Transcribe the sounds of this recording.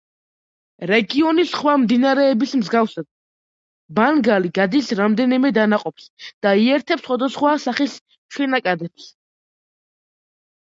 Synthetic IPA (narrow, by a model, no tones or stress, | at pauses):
ɾɛɡiɔnisχwamd̪inaɾɛːbismzɡafsad̪̥̚ | banɡaliɡad̪isɾamd̪ɛnimɛd̪anaqʼɔpsd̪̥aiɛɾt̪ʰɛpsχwad̪asχwasaχis | ʃʰɛnakʼad̪ɛps